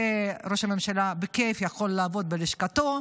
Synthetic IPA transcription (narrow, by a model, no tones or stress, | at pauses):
eɾo̞ʃhame̞mʃalabekefjaχo̞lːaːvo̞t̪̚beliʃkat̪o̞